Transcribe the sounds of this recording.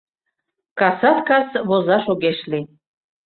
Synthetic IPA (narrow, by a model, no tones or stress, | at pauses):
kɑsɑt̪kɑsβozɑʃoɡeʃli